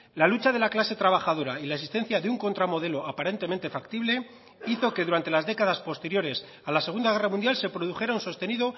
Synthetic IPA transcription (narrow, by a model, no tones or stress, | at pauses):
lalut͡ʃaðe̞laklase̞t̪ɾaβ̞axaðo̞ɾailaesist̪e̞n̟θjaðeuŋko̞nt̪ɾamo̞ðe̞lo̞apaɾe̞nt̪ement̪e̞fakt̪iβle̞ | iθo̞ke̞ðuɾant̪e̞lazðekaðaspo̞st̪e̞ɾjo̞ɾe̞s | alase̞ɣ̞und̪aɣe̞ramũnd̪jalse̞pɾo̞ðuxe̞ɾaunso̞st̪e̞niðo̞